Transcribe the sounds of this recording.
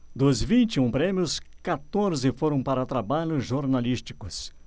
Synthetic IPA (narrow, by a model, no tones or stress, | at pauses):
d̪ʊzvĩnt͡ʃɪũpɾẽmiʊskat̪oɾzɪfoɾɐ̃w̃paɾɐt̪ɾabaʎʊʒoɾnalist͡ʃi̥kʊs